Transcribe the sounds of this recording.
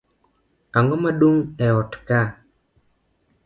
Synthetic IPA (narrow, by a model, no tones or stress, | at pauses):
aŋomaɗuŋɛɔtka